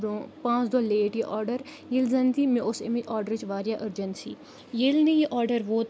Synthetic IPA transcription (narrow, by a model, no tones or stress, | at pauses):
ɾõːpãːt͡ʃd̪oːleːʈjiʔɔːɾɖəɾ | jelzɐnd̪iːmẽʔʊsemiʔɔːɾɖəɾt͡ʃʋaːɾjaːʔəɾd͡ʒənt̪siː | jelnijiʔɔːɾɖəɾʋoːt̪